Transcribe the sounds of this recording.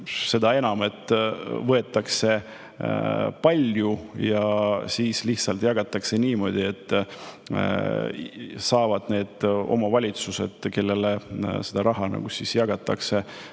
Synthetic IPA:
se̞d̪ɑe̞nɑme̞t̪ːˑvɤet̪ˑːɑkse̞ | pɑlʲjujɑsiːsliçt̪sɑlt̪jɑɡ̥ɑt̪ːˑɑkse̞niːmo̞ːd̪̥ʲie̞t̪ˑː | sɑːvɑd̪̥ne̞ːd̪̥o̞̰mɑvɑlʲit̪suse̞̰d̪̥ke̞lːe̞lesed̪ɑɾɑɦɑnɑ̰ɡ̥usisjɑɡ̥ɑt̪ːˑɑ̰kse̞

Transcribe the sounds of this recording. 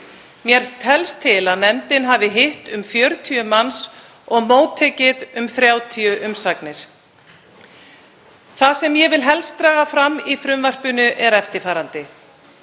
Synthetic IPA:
mjɛɾ̥t̪ʰɛlst̪ʰɪlaðnɛmt̪ɪnɦaːvɪɦɪht̪ʏmfjœɾt̪ʰiʏmans | ɔɣmoːwt̪ʰːɛːcɪðʏmfɾjaːwt̪ʰiʏʔʏmsaknɪɾ̥ | θasɛmjɛvɪlɦɛlst̪ɾaːɣafɾamifɾʏmvar̥pʏnʏʔɛɾɛft̪ɪɾfaːɾant̪ɪ

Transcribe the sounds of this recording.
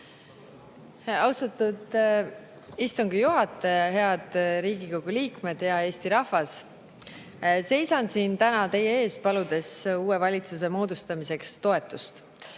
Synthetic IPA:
ɑwst̪ɑt̪ːˑud̪ | ist̪uŋɡ̥ijuɦɑt̪ːˑejɑɦe̞ɑd̪̥ɾiːɡ̥iko̞ɡ̥uliːkme̞d̪̥jɑe̞ːst̪iɾɑhvɑs | se̞jsɑnsiːnt̪ænɑt̪e̞jee̞ːspɑlud̪̥e̞suːevɑlʲit̪sus̬e̞mo̞ːd̪̥ust̪ɑmise̞kst̪o̞e̞t̪ːˑust̪

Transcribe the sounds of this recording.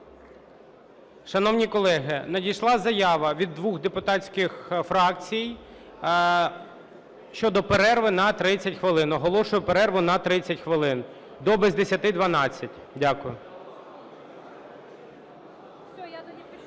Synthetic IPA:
ʃɐnɔwnʲikɔlˠɛɦɪnɐdʲijʃlˠɑzɐjɑʋɐʋʲid̪ːʋuxd̪epʊt̪ɑt͡sʲkɪxfɾɑk̚t͡sʲijj | ʃt͡ʃɔd̪ɔpeɾɛrʋɪnɐt̪ɾɪt͡sʲːɐtʲxʋɪlˠɪnɔɦɔlˠɔʃʊjʊpeɾɛrʋʊnɐt̪ɾɪt͡sʲːɐtʲxʋɪlˠɪn | d̪ɔbɪzʲd̪esʲɐt̪ɪd̪ʋɐnɑt͡sʲːɐtʲ | dʲakʊjʊ

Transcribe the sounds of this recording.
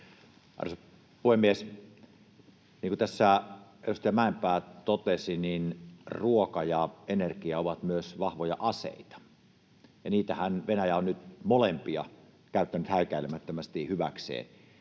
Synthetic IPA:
ɑ̰rs | puhemːˑies | niːŋkut̪æsːæerust̪ɑæmæˑempæːt̪ot̪esininruokɑjɑʔenerkiæoʋɑt̪myøsʋɑhʋojɑ̰ʔɑsḛˑit̪ɑ̥ | jɑniːt̪æhænʋenæjæonnyt̪molempiɑ̰ | kæˑyt̪ːænyt̪hæˑikæilemæt̪ːømæst̪ihyʋæ̰ksḛːn

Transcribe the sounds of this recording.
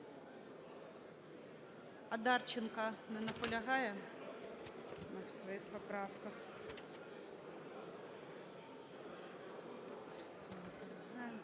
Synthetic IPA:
ɐd̪ɑrt͡ʃɪnkɐnɛnɐpɔlʲɐɦɑjɛ | nɐsʋɔjixpɔpɾɑwkɐx

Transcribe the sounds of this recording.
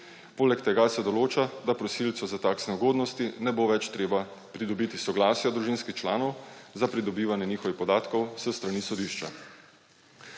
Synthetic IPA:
poːlɛkt̪ɛɡasɛd̪ɔloːt͡ʃad̪apɾɔsilt̪sɔzat̪aːksnɛuɡoːd̪nɔst̪inɛboʋɛt͡ʃt̪ɾeːbapɾid̪ɔbit̪isɔɡlaːsjad̪ɾuʒinskixt͡ʃla̰ːnɔwzapɾid̪ɔbiːʋanjɛniːxɔʋixpɔd̪aːt̪kɔwsəst̪ɾanisɔd̪iːʃt͡ʃa̰

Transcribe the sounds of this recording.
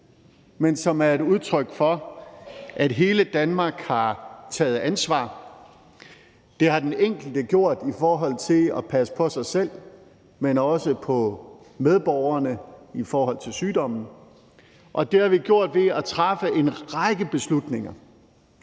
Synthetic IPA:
mensɒ̽mæɐeɾuð̞ˠt͡sʰʁœɡ̥fɒ̽ | ʔæd̥ɦe̝ːləd̥ænmɑ̈ːɡ̥hɑ̈t͡sʰɛ̰ːð̩ˠænsʋɑ̰̈ː | d̥e̝ɦɑ̈d̥eneŋ̰ɡ̥l̩d̥əɡ̥jo̝ɐ̰d̥ifɒːɦɒ̽l̰t͡sʰe̝lɒpʰæsə̥pʰɒ̽sɑ̈ɪsel̰ | menɒ̽səpʰɒ̽ | með̞ˠb̥ɒʊ̰ɐnəifɒːɦɒ̽l̰t͡sʰe̝lsyːdɒ̽m̰n̩ | ʔɒ̽d̥e̝hɑ̈ʋiɡ̥jo̝ɐ̰d̥ʋe̝æt͡sʰʁafəe̝nʁaɡ̥əb̥e̝slud̥ne̝ŋɐ

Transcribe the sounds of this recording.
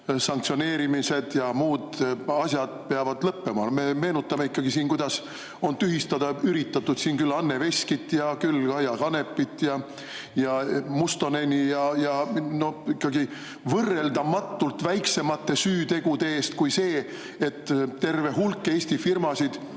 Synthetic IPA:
sɑŋkt̪sio̞ne̞ːɾimise̞d̪̥jɑmuːd̪̥ɑsʲjɑd̪̥̚peɑvɑd̪lɤpːemɑme̞me̞ːnut̪ːˑɑme̞ikːɑɡ̥isiːnkujd̪̥ɑs | o̞nt̪yɦist̪ɑd̪̥ɑyɾit̪ːɑt̪ːˑud̪̥siːnkylːɑnːe̞ve̞sʲkit̪ːˑjɑkylːɑjɑkɑne̞pːˑit̪ːˑjɑ | jɑmust̪o̞nenʲijɑjɑno̞ikːɑɡi | vɤrːe̞ld̪ɑmɑt̪ːˑult̪væjkse̞mɑt̪ːe̞syːt̪e̞ɡ̥ud̪e̞eːst̪kujse̞ː | et̪ːt̪ːe̞rve̞ɦulkːe̞ːsʲt̪ifirmɑsid̪̥

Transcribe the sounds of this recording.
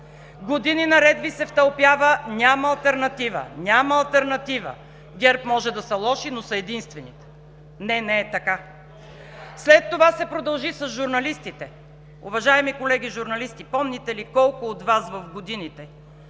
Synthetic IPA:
ɡod̪ininɐɾɛd̪visɛft̪ɐlˠpjavənʲamɐːlˠt̪ɛɾnɐt̪ivə̰nʲamɐɐlˠt̪ɛɾnɐt̪ivə̰ | ɡʲɛɾpmɔʒɛd̪ɐsɐlˠɔʃinosɐɛd̪inst̪vɛnit̪ | nɛnɛːt̪ɐka | slɛt̪ːovasɛpɾod̪ɐlˠʒisɐzʒʊɾnɐlist̪it̪ɛ | ʊvɐʒaɛmikolɛɡʲiʒʊɾnɐlist̪ipɔmnit̪ɛlikɔlˠkʊːt̪vasvɐfɡod̪init̪ɛ

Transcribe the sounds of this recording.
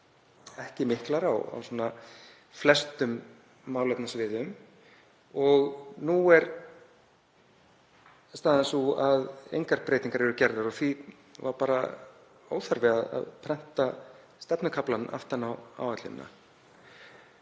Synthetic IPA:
ɛhcɪmɪhklaɾawa̰wsɔːna | flɛst̪ʏmː | aːwlɛp̪nasvɪːðʏm | ɔɣnuɛɾ | st̪aːðasuaðḛjŋkaɾ̚pɾeːjt̪iŋkaɾɛɾʏcɛɾðaɾɔθvi | va̰ɾpaːɾa̰ | o̰ːwθaɾvɪaða̰ðpʰɾɛn̥t̪a | st̪ɛpnʏkʰaplana̰ft̪anawa̰ːwvat̪lɪ̰m̰na̰

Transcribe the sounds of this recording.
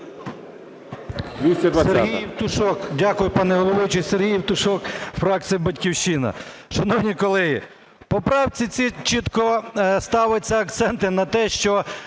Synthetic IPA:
d̪ʋʲist͡ʃɐd̪ʋɐseɦɦijwt̪ʊʃɔkdʲakʊjʊpɑnɛɦɔlˠɔʋɪt͡ʃɪserɦʲijwt̪ʊʃɔkfɾɑk̪̚sʲijɐbɐtʲkʲiwʃt͡ʃinɐ̰ | ʃɐnɔwnʲikɔlˠɛɦi | pɔpɾɑwt͡sʲit͡sʲit͡ʃit̪kɔst̪ɑʋɪt͡sʲːɐɐk̚t̪sɛnt̪ɪnɐt̪ɛʃt͡ʃɔ

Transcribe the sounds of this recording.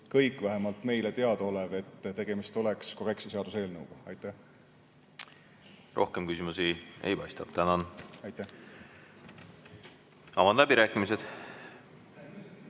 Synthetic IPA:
kɤjkːˑvæɦemɑlt̪ˑme̞jlet̪e̞ɑd̪̥o̞leve̞t̪ːt̪e̞ɡ̥e̞mist̪o̞leksko̞re̞ktsese̞ɑd̪use̞ːlnɤwɡ̥ɑɑjt̪ːˑæh | rʔo̞̰hkemkysimusiḛjpɑjst̪ɑp̚t̪ænɑnɑjt̪ˑːæh | ɑmɑnd̪læbiɾæːkːˑimised̪̥

